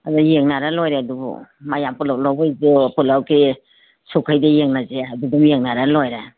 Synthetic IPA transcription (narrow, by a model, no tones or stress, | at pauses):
adajeŋnaɾalojɾeadubṵmajampulawlawbajzepulawkʰi | sokʰajdajeŋnazeadudumjeŋnaɾalojɾa